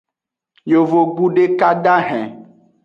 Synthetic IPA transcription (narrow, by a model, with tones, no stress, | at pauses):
jo˨vo˨ɡ͡bu˦ɖe˦ka˦ɖa˦ɦɛ̃˨